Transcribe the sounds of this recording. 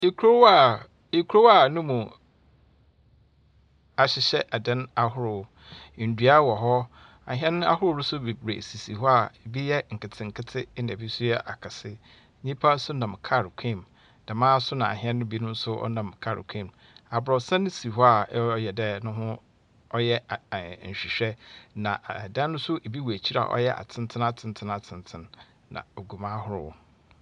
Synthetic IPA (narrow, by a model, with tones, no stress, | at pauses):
e˦kʰu˦ɾo˦wa˦˨ | e˨kʰu˦ɾo˦wa˨nʊ̃˦mũ˨ | a˨ɕɪ˨ɕɛ˦ʔa˨dɛ̃˦na˨hʊ˦ɾʊ˨˦˨ | n̩˨dɥa˦wɔ˨ɦɔ˦ | a̰˨ɦɛ̃˦ñ˦a̰˦hʊ˦ɾʊ˦ɾʊ˦sʊ˦be˨bɾḛ˨si˨si˨hɔ˦a˨bi˦jɛ˦ŋ̩˨kɪ˨tʰɪ̃˨ŋ̩˨kʰɪ˦tʰɪ˦nã˨bi˦su˦ɛ˦ʔa̰˨kʰa˨sɪ˦ | ɲĩ˦pʰa˦sʊ˦nã˨mkʰa˦˨ɾkʰĩ˦˨m | d̥a˨mãː˦sʊ˦nã˨a̰˨ɦɛ̃˦nːʊ̃˦bi˦nʊ̃˦n̩˦sʊ˦ɔ̰˦nã˨mkʰa˦ɾ̰kʷʰĩ˦˨m | a˨bɾɔ˨sã˦nʊ̃˦si˨ɦɔ˦a˨˦jɛ˨dɛ˦nʊ̃˦ɦʊ̃˦ | ɔ˦jɛ˦˨ɕᶣi˨ɕᶣɛ˦nã˨dã˦nʊ̃˦sʊ˦ʔe˨bi˦wu˨æ˨t͡ɕʰi˦ɾa̰˨ʔɔ̰˦jɛ˦ʔa̰˨tʰɪ̃˦n˦tʰɪ̃˦na˨tʰɪ̃˨ntʰɪ̃˦na˨tʰɪ̃˨ntʰɪ̃˨nː | ã̰˨o˨ɡu˨mã˦hʊ˦ɾʊ̰˨wɔ̰˦